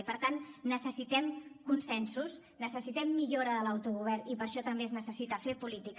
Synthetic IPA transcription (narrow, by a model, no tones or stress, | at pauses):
pəɾt̪anːəsəsit̪ɛmkunsɛnsus | nəsəsit̪ɛmːiʎoɾəðələwt̪uɣuβ̞ɛrnipəɾʃɔt̪əmbeznəsəsit̪əfepulit̪ik